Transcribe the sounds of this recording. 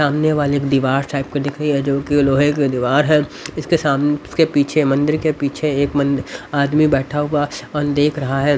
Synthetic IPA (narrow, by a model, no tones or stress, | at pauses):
saːmneʋaːleːkd̪iːʋaːɾʈaːɪp̚ked̪ɪkʰɾɐɦiɦɛd͡ʒoːkiloːɦeked̪iːʋaːɾɦɛːɪskesaːmkepiːt͡ʃʰemɐ̃nd̪ɪɾkepiːt͡ʃʰeeːkmɐ̃nd̪aːd̪mibɛːʈʰaɦʊaɔːɾd̪eːkʰɾɐɦaɦɛː